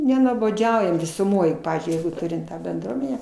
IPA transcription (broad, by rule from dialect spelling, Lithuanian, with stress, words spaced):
nʲɛnuɔboːˈd͡ʒʲɛʊjɛm ʋʲɪsʊˈmoːj ˈpɑːʋʲiːzʲd͡ʒʲʊɪ ˈjɛɪɡʊ ˈtʊrʲɪm ˈtɑː bʲɛnˈdruɔmʲɛnʲæː